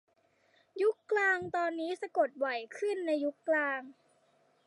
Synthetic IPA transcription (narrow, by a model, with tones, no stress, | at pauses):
ju˦˥kːlaː˧ŋt̪ɔː˧nːiː˦˥sa˧ko˨˩t̪̚wɔ˨˩jkʰɯ˥˩nːa˧jːu˦˥kːlaː˧ŋ